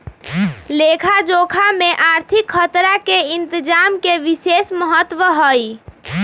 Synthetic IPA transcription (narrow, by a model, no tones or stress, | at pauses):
lekʰad͡ʒokʰameʔaɾt̪ʰikʰːət̪ɾakeɪnt̪əd͡ʒamkeʋisesməɦət̪ːwəɦəj